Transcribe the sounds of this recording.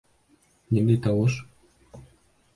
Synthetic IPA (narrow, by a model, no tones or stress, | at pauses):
nʲind̪ejt̪ɑwɤʃ